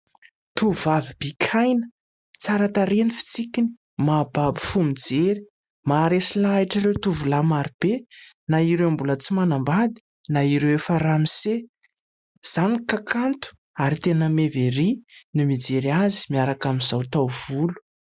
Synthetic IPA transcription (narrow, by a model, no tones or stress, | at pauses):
t̪uvavib̥ikʲʰajnə̥ | t͡saɾat̪aɾenifi̥t͡sikʲini̥ | mababi̥fumid͡zeɾi̥ | maɾesilaiʈ͡ʂiɾewt̪uvulamaɾib̥e | naiɾewmbulət͡simanambad̪i̥ | naiɾewefəɾamise | z̥anikakʰant̪u̥ | aɾit̪enəmeveɾinimid͡zeɾiazi̥miaɾakamizawt̪awv̥ulu̥